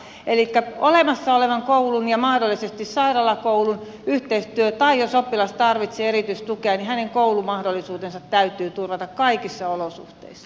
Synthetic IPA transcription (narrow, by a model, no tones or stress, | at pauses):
ʔelikːæolemɑsːɑoleʋɑŋkoulunjɑmɑhdolːisest̪issɑirɑlɑkoulun | yht̪eist̪yøt̪ɑijosopːilɑst̪ɑrʋit̪seːeɾit̪yist̪ukeɑnihæneŋkoulumɑhdolːˑisuːt̪ensɑt̪t̪æyt̪ˑyːt̪urʋɑt̪ɑkkɑikisːɑolosṵht̪ḛisːɑ̥